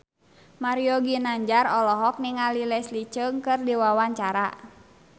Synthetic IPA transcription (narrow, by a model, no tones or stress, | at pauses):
maɾiɔɡinaɲd͡ʒarɔlɔɦɔk̚niŋalilɛslit͡ʃəŋkɨrdiwawaɲt͡ʃaɾa